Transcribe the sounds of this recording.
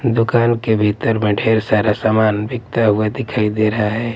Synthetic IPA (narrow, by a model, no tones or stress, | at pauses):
d̪ʊkaːnkebʱiːt̪əɾmə̃ɖʱʰeːɾsaːɾasaːmaːnbʱɪkɡ̚t̪aɦʊed̪ɪkʰaːid̪eːɾɐɦaɦɛː